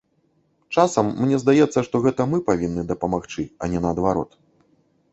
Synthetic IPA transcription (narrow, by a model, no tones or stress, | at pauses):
t͡ʂasɐmːnʲɛzd̪ajɛt̪sːɐʂt̪ɔɣɛt̪ɐmɨpavʲinːɨd̪ɐpɐmaxt͡ʂɨɐ̰nʲɛnɐːd̪vaɾɔ̰t̪